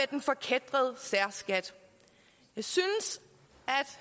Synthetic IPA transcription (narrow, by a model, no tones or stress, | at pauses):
ed̥enfɒ̽kʰed̥ʁɐð̞̩ˠsæɐ̰sɡ̥æd̥ | jɑ̈ɪsynəs | æd̥